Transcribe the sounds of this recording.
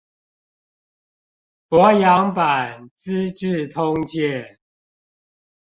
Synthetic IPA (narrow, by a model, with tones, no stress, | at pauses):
pwɔ˨˦jɑ˧˦ŋpa˨˩nt͡s̩˦ʈ͡ʂɻ̩˥˨t̪ʰʊ˦ŋt͡ɕjɛ˥˨